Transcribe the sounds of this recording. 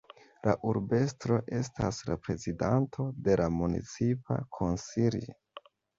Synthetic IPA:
laʔuɾbe̞stɾo̞ʔe̞staslapɾe̞zidantʰo̞de̞lamunḭt͡sipa̰kʰo̞nsili

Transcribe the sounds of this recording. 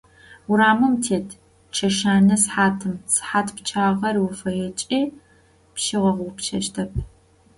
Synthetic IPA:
ʊɾaːmɨmtʰeːtʰ | t͡ʃʰɐʃaːnɐsħaːtʰɨmsħaːtʰpt͡ʃʰaːʁɐrwʊfɐjɛt͡ʃʼiː | pʃɪʁɐʁʷʊpt͡ʃʰɐʃtʰɐp̚ʰ

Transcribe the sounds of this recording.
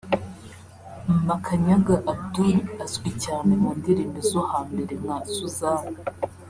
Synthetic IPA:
makʰaɲaɡaʔabdunazɡwicaːnemuːndiɾiːmezohaːmbe̞ɾemŋaːsuzaːwo

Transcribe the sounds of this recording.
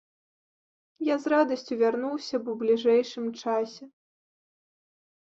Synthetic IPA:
jazrad̪ɐsʲt͡sʲuvʲarnuwsʲɐbɔblʲiʐɛjʂɨmt͡ʂasʲɛ

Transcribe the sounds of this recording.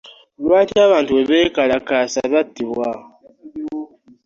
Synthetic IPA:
lwaːtiaβaːntuweβekalakasaβatːiβwa

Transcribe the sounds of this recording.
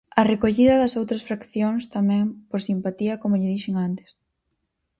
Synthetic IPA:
ɐrekoʎiðɐðɐsowt̪ɾɐsfɾakθjoŋst̪amɛ̃ŋpoɾsimpat̪iɐkomʊʎɪðiʃeŋant̪e̥s

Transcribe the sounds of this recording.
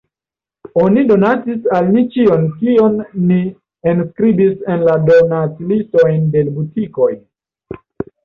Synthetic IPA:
onido̞nat͡sisalnit͡ʃio̞nkio̞nːi | enskɾibise̞nlado̞nat͡silisto̞jnde̞lbutiko̞j

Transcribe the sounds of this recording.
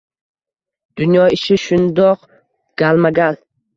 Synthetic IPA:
d̪̥ʊnjɒɪʃɪʃʊnd̪ɒq | ɡ̥almaɡʲal

